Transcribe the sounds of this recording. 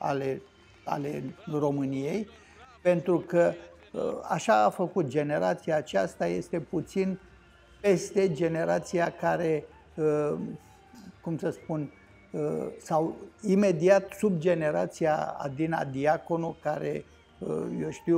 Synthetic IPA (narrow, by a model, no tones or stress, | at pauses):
a̰le | a̰le̞ro̞mɨnije̞j | pe̞nt̪ɾukə | əa̰ʃaːfəkut̪̚d͡ʒe̞ne̞ɾat̪siaːt͡ʃast̪aje̞st̪e̞put̪sin | pe̞st̪e̞d͡ʒe̞ne̞ɾat̪sijakaɾe̞ | ə | kumsəspun | əsawime̞d̪iat̪subd͡ʒe̞ne̞ɾa̰t̪sija̰a̰d̪ina̰d̪iako̞nukaɾe̞̰ | ə̰joʃt̪iw